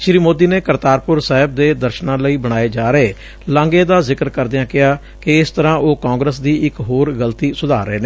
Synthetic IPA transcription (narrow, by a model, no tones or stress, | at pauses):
ʃɾiːmoːd̪iːneːkəɾt̪aːɾpʊɾsaːɦɪb̚d̪eːd̪əɾʃnãːləiːbəɽ̃aːeːd͡ʒaːɾəeː | lãːŋɡeːd̪aːzɪkəɾkəɾd̪ejãːkɪjaː | kɪɪst̪əɾãːʔoːkãːŋɡɾəs̬d̪iːɪkɦoːɾɡəlt̪iːsʊd̪aːɾəeːne